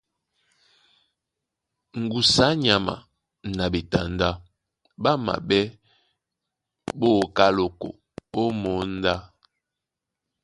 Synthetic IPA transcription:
ŋ̩˨ɡu˨sa˨˦ɲa˨ma̰˨ | na˨bi˨ta˨nda˦ | ba˦ma̰˨ɓɛ˦ | bo˦˨ka˦lo˨ko̰˨ | o˦mo˨˦n̩˦da˦

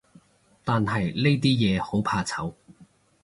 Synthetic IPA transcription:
t̪aː˨nɐ˨jle˥jt̪̬iː˥jɛː˨˧ho˨˥wpʰaː˧t͡sʰɐ˨˥w

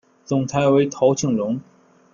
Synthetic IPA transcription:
t͡sʊ˨˩ŋt͡sʰa˧˥ɪwe˧˥ɪt̪ʰo˧˥ʊt͡ɕʰi˥˩ŋlʊ˧˥ŋ

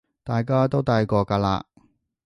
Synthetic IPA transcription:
t̪aː˨jkaː˥t̪o˥wt̪a˧jkɔː˧kaː˧la̰ː˧

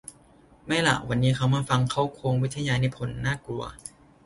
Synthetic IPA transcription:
ma˥˩jla̰˨˩wa˧nːiː˦˥kʰa˦˥wmaː˥˩fa˧ŋkʰa˦˥wkʰoː˧ŋwi˦˥t̪ʰːa˧jaː˧na˧˩jpʰo˨˩˦nːaː˥˩klu˧ɐ

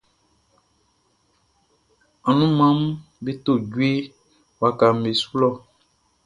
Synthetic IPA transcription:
a˨nũ˦mã˦m˦be˦t̪o˦˨ɟwe˦ | wa˨ka˨m̩˨be˨su̥˦lɔ˦˨

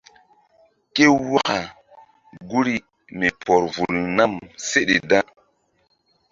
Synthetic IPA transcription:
ke˦wa˦ka˨ | ɡu˦ɾi˦ | mi˨pɔ˨ɾvu˨lna˦˨mse˦ɗḛ˨da˦

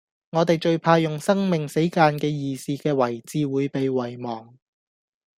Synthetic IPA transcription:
ŋɔː˨˧t̪e˨jt͡ʃɵ˧ɥpʰaː˧jʊ˨ŋsɐ˥ŋmɪ˨ŋse˨˥jkaː˧nkɛː˧jiː˨˧siː˧kɛː˧wɐ˨˩jt͡siː˧wuː˨˧jpe˨jwɐ˨˩jmɔː˨˩ŋ

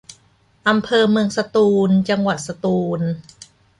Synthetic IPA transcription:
ʔa˧mpʰɤː˧mɯ˧əŋsa˧t̪uː˧nt͡ɕa˧ŋwa˨˩t̪̚sa˧t̪uː˧n

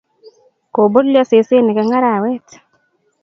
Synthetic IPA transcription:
ko˨bo˦dljɔ˦se˨se˦nɪ˨kɛ˧ŋa˦ɾa˨wɛ˦t

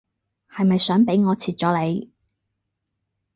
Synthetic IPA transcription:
hɐ˨jmɐ˨jsœː˨˥ŋpe˨˥jŋɔː˨˧t͡sʰiː˨˩t̚t͡ʃɔː˨˥le˨˧j

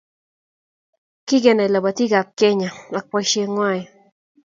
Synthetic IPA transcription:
ki˦ke˨na˨la˨ba˨t̪i˦ka˨p̚ke˦ɲa˨a˨k̚pa˧jʃe˧ŋwa˦˨j

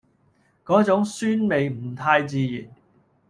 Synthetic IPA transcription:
kɔː˨˥t͡sʊ˨˥ŋsyː˥nme˨jm̩˨˩t̪ʰaː˧jt͡siː˧jiː˨˩n

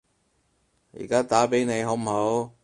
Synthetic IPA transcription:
jḭ˨˩kaː˦˥t̪aː˨˥pe˨˥jne˨˧jɦo˨˥m̩˨˩ɦo˨˥w

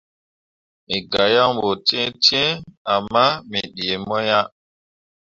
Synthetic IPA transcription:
mi˨ɡa˨ja˦ŋbo˨tɛ̃˦tẽ˦a˨mːa˦mi˨ɗi˨e˨mɔ˦ja˦

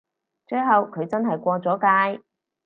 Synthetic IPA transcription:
t͡ʃɵ˧ɥɦɐ˨wkʰɵ˨˧ɥt͡sɐ˥nɦɐ˨jkʷɔː˧t͡sɔː˨˥kaː˧j

